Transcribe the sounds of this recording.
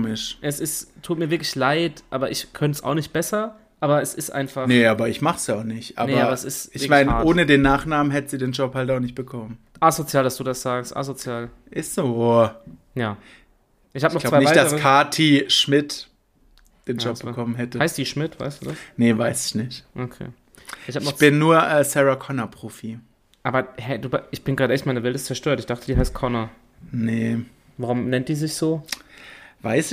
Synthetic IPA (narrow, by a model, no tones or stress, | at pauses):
mɪʃʔɛsɪsttʰːuːt̚miːɐɪɐklɪçlaɪtʔaːbɐʔɪçkʰœnsa̰ʊχnɪçt̚b̥ɛsɐ | ʔaːbɐɛsɪstʔa̰ɪnfanəʔaːbɐɪçmaχəsjaʊxnɪçtʔa̰ːnebɐabɐsɪstɪçmaɪnaːʔoːnədeːnːaːχnaːmən̩ɦɛtəziːdeːnd͡ʒɔphaltaʊnɪç̬t̚b̥əkʰɔmən | ʔazot͡sjaːldasd̥uːdasz̥aːkstʔa̰zot͡sjaːl | ʔɪstz̥oː | jaː | ʔɪçhabənɔʁlaʊvaɪnɪçvaɪd̥aəʁəkʰaːtʰiːʃmɪt | d̥eːnd͡ʒɔp̚b̥əkʰɔmənɦɛtəhaɪstd̥iːʃmɪtv̥a̰ɪstd̥uːdasnəvaɪsɪ̥çnɪçtʔokʰḛː | ʔɪçhaːbənɔχt͡sb̥ɪnːuːɐʔɛːsɛʁakʰɔnapʁ̥oːfi | ʔaːbɐɦɛduːbaʔɪçb̥ɪnɡʁaːɾdəʔɛçtmaɪnɐvɛltɪstt͡sɛɐʃtøːɐtɪçd̥aχtədiːɦaɪst̚kʰɔna | nə | vaʁʊmnɛntd̥iːzɪçz̥oː | vaɪsɪ